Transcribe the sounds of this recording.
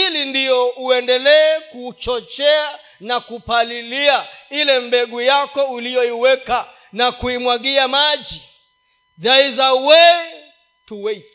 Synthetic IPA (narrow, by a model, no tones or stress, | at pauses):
ilindiɔuɛndɛlɛːkut͡ʃɔt͡ʃɛa | nakupaliliailɛmbɛɠujakɔulijɔiwɛka | nakuimwaɠiamaʄi | ðaizawɛ | tuwɛ